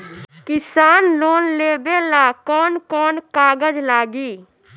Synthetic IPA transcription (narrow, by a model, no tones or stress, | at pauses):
kɪsaːnloːnleːbeːlaːkɔːnkɔːnkaːɡəd͡ʒlaːɡiː